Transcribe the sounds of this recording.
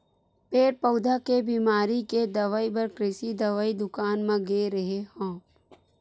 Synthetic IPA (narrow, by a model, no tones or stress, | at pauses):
peːʈ̚pɐʊd̪ʱakebiːmaːɾiked̪ɐʋaːibɐɾkɾɪsid̪ɐʋaːid̪ʊkaːnmẽɡeːɾɐɦehõː